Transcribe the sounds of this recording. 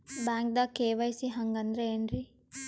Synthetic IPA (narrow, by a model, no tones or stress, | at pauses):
baːŋk̚d̪akeːʋɐjsiɦɐŋɡɐnd̪ɾeenɾi